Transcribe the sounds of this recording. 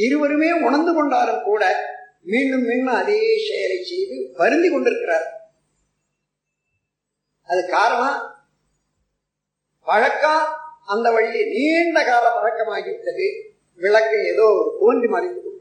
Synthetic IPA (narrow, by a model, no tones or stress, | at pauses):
ɪɾɯʋɐɾɯmeːʊɳɐnd̪ɯkɔɳɖaːɾɯmkuːɽɐ | miːɳɖɯmːiːɳɖɯmɐðesɛjɐlɐɪt͡ʃːɛjðɯʋɐɾɯnd̪ikɔɳɖɪɾɯkːɪɾaːɾ | ɐðɯkaːɾɐɳaː | ʋɐɻɐkːaːɐnd̪ɐʋɐɻːiniːɳɖɐkaːlɐɐɻɐkːɐmaːɣɪʋɯʈːɐðɯ | ʋɪɭɐkːɐeːðoːɔɾɯkʊʋɐnd̪imaːɾɾɪt̪ːɯkːɯ